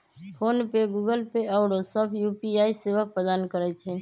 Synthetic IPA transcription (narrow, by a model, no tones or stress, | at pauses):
pʰoːnpeɡuɡəlpeɔɽosəbʰjuːpiaːiseːʋək̚pɾəd̪aːnkəɾɛt͡ʃʰɛ